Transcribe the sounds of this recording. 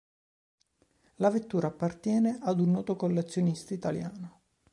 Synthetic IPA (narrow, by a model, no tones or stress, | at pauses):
lavet̪ːuːɾaːpːart̪jɛːneʔad̪unːɔːt̪okolːet̪sːjonist̪ait̪alja̰ːno